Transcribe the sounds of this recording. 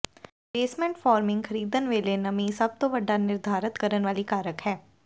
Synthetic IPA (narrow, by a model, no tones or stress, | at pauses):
peːsmɛ̃ɳʈfɔːɾmɪ̃ŋɡxʰɐɾiːd̪ənʋeːlenɐmĩsɐb̚t̪oʋɐɖʱːanɪɾd̪ʱaːɾət̪kɐɾənʋaːlikaːɾəkɦɛː